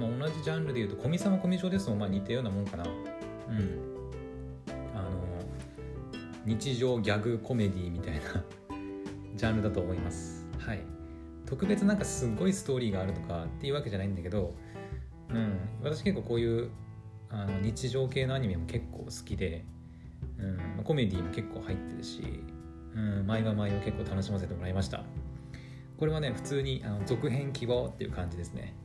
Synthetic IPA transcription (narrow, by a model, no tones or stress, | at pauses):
mao̞naʑiʑãnɾɯd̪e̞iɯ̟ːt̪okʰo̞mʲisãm̃ako̞mʲiʑo̞ːd̪e̞sɨmomaːɲ̟it̪ːejo̞ːnamonokana | ɯ̟ɯ̟̃ɴ | ano̞ | ɲ̟it͡ɕiʑo̞ːɡʲaɡɯ̟kʰo̞me̞d̪ʲimʲit̪aina | d͡ʑãnɾɯd̪at̪o̞ːmoimasɨ̥ | hai | t̪o̞kɯ̟be̞t͡sɨnãŋkasɨɡo̞isɨ̥t̪o̞ːɾʲiːɡaːɾɯ̟t̪o̞kat̪ːe̞iɯ̟ːβake̞ʑanaĩnd̪ake̞d̪o̞ | ɯ̟̃ɴβat̪aɕi̥ke̞kːoːko̞ːjɯ̟ː | ano̞ɲ̟it͡ɕiʑo̞ːke̞ːno̞aɲ̟imʲemo̞ke̞kʰːo̞̰ːsɨ̥kʲid̪e̞ | ɯ̟̃ɴmako̞mʲe̞d̪ʲiːmo̞ke̞kːo̞ːhait̪ːe̞ɾɯ̟ɕḭ | ɯ̟̃ɴmaiβamaimoke̞kːoːt̪ano̞ɕimase̞t̪e̞mo̞ɾaimaɕi̥t̪a̰ | ko̞ɾe̞mone̞ɸɯ̟̥t͡sɨːɲ̟iʔano̞zo̞kɯ̟ɦẽ̞ŋkʲibo̞t̪ːe̞jɯ̟̰kãɲ̟d͡ʑid̪e̞sɨ̥ne̞̰